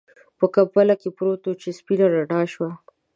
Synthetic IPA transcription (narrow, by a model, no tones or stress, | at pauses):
pəkapəlakepɾot̪ot͡ʃespinaɾaɖɑʃwa